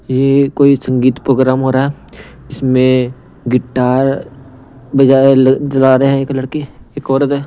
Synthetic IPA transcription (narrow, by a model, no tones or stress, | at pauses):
jekoːisə̃ŋɡiːt̪pɾoːɡɾaːmɦoːɾaːɦɛː | ɪsmẽ | ɡɪʈːaːɾ | bɐd͡ʒaːeld͡ʒɐlaːɾeɦɛ̃eːklɐɽkeeːkɔːɾəd̪ɦɛː